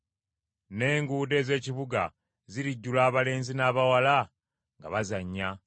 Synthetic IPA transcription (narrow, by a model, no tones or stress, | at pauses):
ne̞ːŋɡuːde̞ːze̞ːciβuɡa̰ | ziɾiɟːulaːβale̞ːnzinaːβawala | ŋɡa̰βazaɲːa